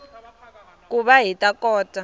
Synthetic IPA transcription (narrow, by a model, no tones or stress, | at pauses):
k̬ʼuɓaɦitʼakɔːtʼa